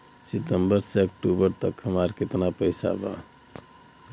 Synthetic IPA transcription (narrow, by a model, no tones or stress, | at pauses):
sit̪əmbəɾseək̚ʈubəɾt̪əkʰːəmaɾket̪napəjsa̰ba̰